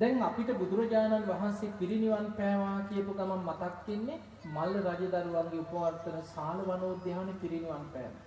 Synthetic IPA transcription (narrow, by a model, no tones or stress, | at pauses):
d̪ɛŋapiʈəbud̪uɾɐd͡ʒaːnanʋaɦansepiɾiniʋanpɛːʋaːkijəpuk̪amamːat̪akːenːe | malːəɾad͡ʒəd̪aɾuʋaŋɡeupəʋart̪ənəsaːluʋanoːd̪ːeɦanepiɾiniʋanpɛ̰ːʋa̰